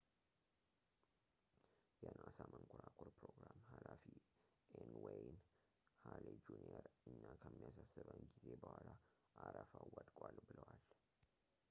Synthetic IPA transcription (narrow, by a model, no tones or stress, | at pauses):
jɛnʔasamʔəŋkʰʊɾakʰoɾpɾoɡɾamhalafi | ʔenwɛjn | haled͡ʒuneɾɨnːakʰəmːijasasːɨβənɡize̞bəhwala | ʔaɾəfawːət̪ʼkʼalbɨləwal